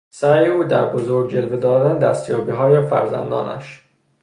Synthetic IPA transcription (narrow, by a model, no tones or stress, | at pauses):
sæɾjeuːd̪æɾbozoɾɡd͡ʒe̞lved̪ɒːd̪æned̪æst̪jɒːbiːɦɒːjefæ̰ɾzæ̰nd̪ɒ̰ːnæ̰ʃ